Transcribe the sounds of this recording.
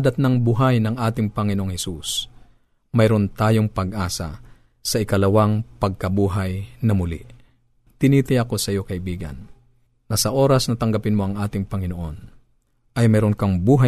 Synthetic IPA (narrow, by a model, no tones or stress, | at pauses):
d̪ɐt̪̚nɐŋbʊɦajnɐŋʔaːt̪ɪŋpɐŋɪnoʔoŋhɛsus | mɐjɾont̪aːjoŋpɐɡ̚ʔaːsɐ̰ | sɐʔɪkɐlɐwaŋpɐɡ̚kɐbuːɦajnɐmʊlḭʔ | t̪ɪniːt̪ɐjɐko̞sɐjo̞kɐʔɪbiːɡɐ̰nː | ɐsɐʔo̞ːɾɐsnɐt̪ɐŋɡɐpɪnmoʔɐŋʔaːt̪ɪŋpɐŋɪnoʔo̞n | ʔɐjmɛːɾonkɐŋbuːɦa